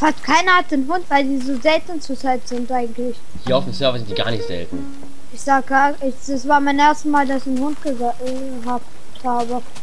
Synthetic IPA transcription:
fastkʰaɪnɐhat̚d̥eːnɦʊntv̥aɪldiːzoːzɛltn̩t͡susaɪtz̥ɪntʔaɪɡŋ̩tlɪç | hiːɐaʊfd̥emsœɐvɐzɪntd̥iːɡa̰ːɐnɪçtz̥ɛ̰ltn̩ | ʔɪçz̥aːɡaɪd̥asv̥aːɐmaɪnʔeːɐstəsmaːldasɪçnhʊnt̚ɡ̥əz | ɦaːp | haːbə

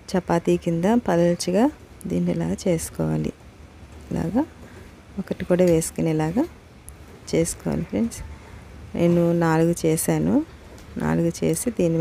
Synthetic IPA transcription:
t͡ʃɐpːaːt̪iːkind̪apɐlɐlt͡ʃiɡaː | d̪iːnːilaːɡat͡ʃe̞ːsu̥kɔːʋaːlḭ | la̰ːɡaː | ɔkɐʈikuːɽaːʋe̞ːsu̥kɐnɛlaːɡaː | t͡ʃe̞ːsu̥kɔːʋa̰ːlipɾens | nʔḛːnunaːluɡut͡ʃɛːʃaːnu | nʔa̰ːluɡut͡ʃe̞̰ːsid̪iːni

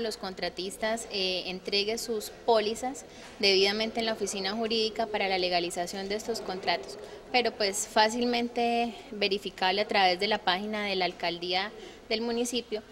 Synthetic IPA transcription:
lo̞sko̞nt̪ɾat̪ist̪asent̪ɾe̞ɣe̞suspo̞lisas | d̪e̞βiðament̪enlaofisinaxuɾiðikapaɾalale̞ɣalisasjo̞nd̪e̞est̪o̞sko̞nt̪ɾat̪o̞̥spe̞ɾo̞pwe̞sfasilmẽ̞nt̪e̞βe̞ɾifikaβleat̪ɾaβe̞zd̪e̞lapaxinaðe̞laːlkald̪ia | ðe̞lmunisipjo̞

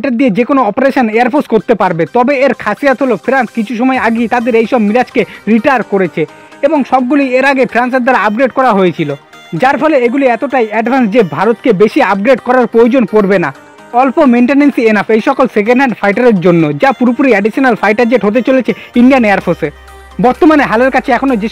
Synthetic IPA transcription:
ʈaɾd̪ied͡ʑekonoɔpoɾeʃoneaɾpʰoskoɾt̪epaɾbet̪ɔbeeɾkʰasiat̪ɦolofʰɾanskit͡ɕʰuʃ̬ɔmɔeaɡejt̪ad̪eɾejʃɔbmiɾad͡ʑkeɾiʈajɾkoɾet͡ɕʰe | eboŋʃɔb̚ɡulieɾaɡefʰɾans̬eɾd̪aɾaap̚ɡɾeɖkɔɾaɦojet͡ɕʰilo | d͡ʑaɾfʰɔleeɡuliɛt̪oʈajɛɖbʱansd͡ʑebʱaɾot̪kebeʃiap̚ɡɾeɖkɔɾaɾpɾojod͡ʑonpoɾbena | ɔlpomejɳʈenensienafejʃɔkolsek̬enɖɦɛɳɖfʰajʈaɾeɾd͡ʑonːod͡ʑapuɾopuɾiɛɖiʃionalfʰajʈad͡ʑeʈɦot̪̬et͡ɕolet͡ɕʰeinɖijaneaɾpʰose | bɔɾt̪omaneɦaleɾkat͡ɕʰeɛkʰonod͡ʑe

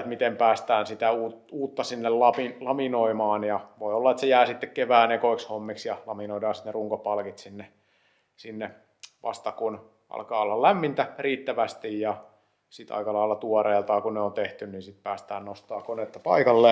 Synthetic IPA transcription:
t̪mit̪empæːst̪æːnsit̪æuːtuːt̪ːɑsinːellɑpilɑminoimɑːnjɑʋoiolːɑet̪sejæːsit̪ːekkeʋæːnekoikshomːiksjɑlɑminoidɑːsi̥t̪neruŋkopɑlkit̪sinːe | sinːe | ʋɑ̰st̪ɑkun | ʔɑ̰lkɑːolːɑllæmːint̪æriːt̪ːæʋæst̪ijjɑ | sit̪ɑ̰ikɑlɑilːɑt̪uɔreːlt̪ɑːkunneont̪eht̪ynninsit̪̚pæːst̪æ̰ːnnost̪ɑːkonet̪ːɑpɑikɑlːe

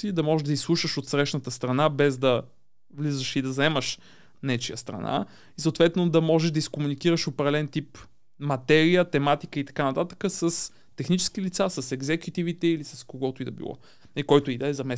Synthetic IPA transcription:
sid̪ɐmɔʒɛʒd̪ɐislˠuʃəʃot̪sɾɛʃnət̪əst̪ɾɐnabɛzd̪ɐ | vlizəʃid̪ɐzɛməʃ | nɛt͡ʃijə̰st̪ɾɐ̰na̰ | isoːt̪vɛt̪nod̪ɐmɔʒɛʒd̪ɐiskomunik̟iɾəʃopɾɛd̪ɛlɛnt̪ip | mɐt̪ɛɾijət̪ɛmat̪ikəit̪ɐ̥kanɐt̪at̪ə̥kəsəs | t̪ɛxnit͡ʃɛ̥skilit̪sasəsɛɡzɛkjut̪ivit̪ɛilisɐskoɡɔt̪ʊid̪ɐbḭlˠɔ̰ | nɐlikɔjt̪ʊid̪ɐɛzɐmɛ

